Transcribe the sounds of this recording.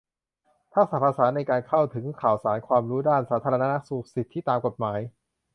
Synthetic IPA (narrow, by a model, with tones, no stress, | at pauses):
t̪ʰa˦˥k̚saː˨˩t̚pʰa˧saː˩˦nːa˧jkaː˧nkʰa˥˩wt̪ʰɯ˩˦ŋkʰaː˨˩wsaː˩˦nkʰwaː˧mɾuː˦˥daː˥˩nsaː˩˦t̪ʰaː˧ɾa˧na˦˥na˦˥su˨˩k̚si˨˩t̪ʰːi˥˩t̪aː˧mko˨˩t̪̚maː˩˦j